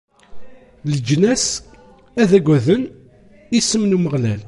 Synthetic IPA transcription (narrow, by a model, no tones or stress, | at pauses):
ləd͡ʒnæs | æðæɡʷæðən | isəmnuməʁlæl